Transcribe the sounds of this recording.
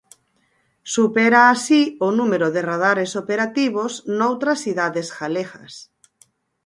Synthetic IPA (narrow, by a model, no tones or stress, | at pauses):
supɛɾaːsionumeɾoðɪrað̞aɾesopeɾat̪iβ̞oznowt̪ɾɐsθiðaðesɣaleɣɐs